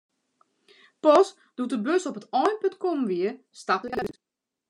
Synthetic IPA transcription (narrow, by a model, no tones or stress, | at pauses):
pɔs | d̥utəbøsɔpətɔjnpøntkɔmʋiə | staplit